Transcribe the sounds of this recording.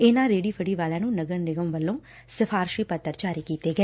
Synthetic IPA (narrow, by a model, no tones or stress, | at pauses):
eːnaːɾeːɖifʰɐɽiʋaːlɐnunɐɡɐɳnɪɡɐmʋɐlːom | sɐfʰaːɾʃɾiːpɐt̪ːɐɾt͡ʃaːɾikit̪eːɡɐ